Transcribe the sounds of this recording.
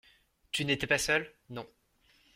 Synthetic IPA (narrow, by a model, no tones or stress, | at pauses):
t̪ynet̪ɛpasœl | nɔ̃